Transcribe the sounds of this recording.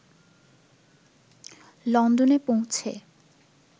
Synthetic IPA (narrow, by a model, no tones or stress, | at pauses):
lɔnd̪onepow̃t͡ɕʰe